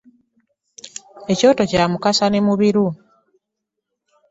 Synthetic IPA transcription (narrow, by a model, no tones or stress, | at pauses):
e̞co̞ːtocamukasanemuβiɾu